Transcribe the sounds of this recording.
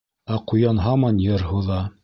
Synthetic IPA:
æqujɑnɦɑmɑnjɤɾɦuðɑ

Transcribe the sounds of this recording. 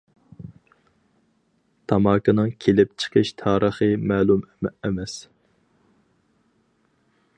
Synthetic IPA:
t̪ʰɑmɑːkɨnɨŋkʲʰelɪp̚t͡ʃʰə̥qʰəʃt̪ʰɑːɾʔəχəmɛːlˠumɛmɛs

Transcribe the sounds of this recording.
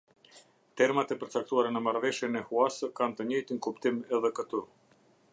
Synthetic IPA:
t̪ɛɾmat̪ɛpəɾt͡sak̚t̪uaɾanəmaɾvɛʃjɛnɛhuasəkant̪əɲəjt̪iŋkupt̪imɛðɛkət̪u

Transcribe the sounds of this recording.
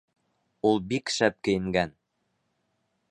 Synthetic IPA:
ulˠbikʃæp̚kɘ̆jɘ̆ŋɡæn

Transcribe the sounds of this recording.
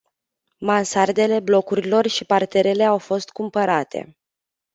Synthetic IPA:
mansard̪e̞le̞blo̞kuɾilo̞rʃipart̪e̞ɾe̞le̞awfo̞st̪̚kumpəɾat̪ʰe̞̰

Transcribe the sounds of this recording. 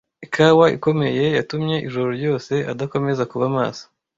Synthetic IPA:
ikawaʔḭko̞me̞je̞jatumɲe̞ʔiʒuɾoɾjo̞ːse̞ʔadako̞me̞zakuβama̰ːsḁ

